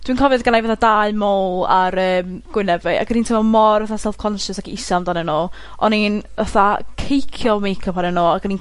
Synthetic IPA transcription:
d̥winkʰɔvɨðɡanajvaθadaɨmolˠaɾəːmɡ̥wɪnɛvɛa̰ɡənintʰɪmɔmɔrvəθasɛlˠfkʰɔnʃəsakʰiɪsamdanɛnoː | ʔɔninvəθakʰejkʰjɔmejkʰɔpʰanɛnoːaɡənin

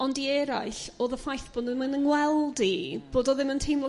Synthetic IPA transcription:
ɔndiɛɾa̰ɨɬoːðəfajθb̥oːdɪmanənwɛlˠdib̥oːdɔðɪməntʰejmlɔ

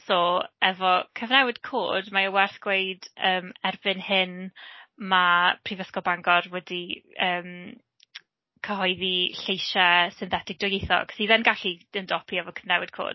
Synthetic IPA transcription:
sɔɛvɔkʰəvnɛwɪd̥kʰo̰ːdmaəwɛrθɡ̥weɨdəːmɛrbɨnhɪn | mapʰrivəskɔbaŋɡɔrwɛdiəːm | kʰəɦɔjðiɬejʃasɪnθɛtʰɪɡ̚d̥ɔjejθɔ̰kʰsiðɛnɡaɬiəndɔpʰiɛvɔkʰəvnɛwɪd̥̚kʰo̰ːd̥

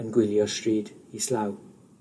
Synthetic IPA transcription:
ənɡwɪljɔstɹiːdislaw

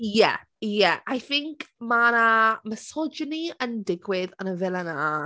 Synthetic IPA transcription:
jɛ̰ | jɛajθɪŋkʰmanaməsɔd͡ʒəniəndɪɡwɪðənəvɛlˠana

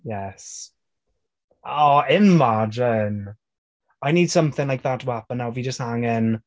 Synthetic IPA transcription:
jɛs | oɪmad͡ʒɪn | ajniːd̥sʌ̃mθɪ̃ŋlaɪk̚ðətʰəwapə̃nːawvid͡ʒʌst̚haŋɪn

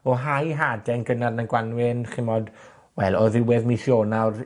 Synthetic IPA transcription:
ɔɦajɦaːdɛnɡənarnanɡwanwɪnχɪmɔd | wɛlˠɔðɪwɛðmiɬjoːnawr

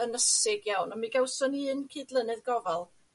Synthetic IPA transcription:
ənəsɪɡjawnɔmiɡɛwsɔniːnkʰiːdlˠənɨðɡɔvɛlˠ

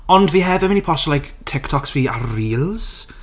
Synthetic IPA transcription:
ɔndviːɦɛvəmɪnipʰɔʃɔlajk | tʰɪktʰɔksviːa̰riːlˠz̥

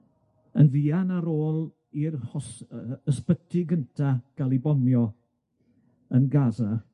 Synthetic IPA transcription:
ənviːanaɾoːlˠ | irhɔsəspətʰɪɡəntʰaɡ̥alˠibɔmjɔ | ənɡaːza

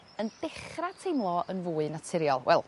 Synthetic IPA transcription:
əndɪχratʰejmlˠɔənvuːɨnatʰɪɾjɔlˠwʔɛ̰lˠ

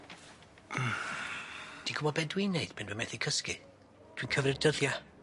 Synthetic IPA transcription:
d̥iɡubɔbɛdwineɨdbɛndwɛmɛθikʰəskɨ̰ | d̥winkʰəvrɨdəðja

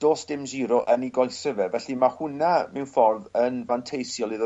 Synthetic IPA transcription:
d̥oːsd̥ɪmziɾɔʔəniɡɔjsəvɛvɛɬimahʊnamɛwnfɔrvənvantʰejsjɔlˠið

